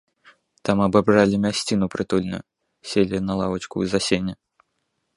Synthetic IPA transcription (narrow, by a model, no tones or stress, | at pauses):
t̪amɐbabralʲimʲasʲt͡sʲinupɾɨt̪ulʲnujʊ | sʲelʲinɐlˠavɐt͡ʃkṵizasʲenʲɛ